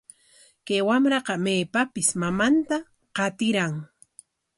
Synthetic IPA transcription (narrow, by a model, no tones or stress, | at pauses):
kajwamɾɑqɑmeːpapɪsmamant̪a | qɑt̪ɪɾaŋ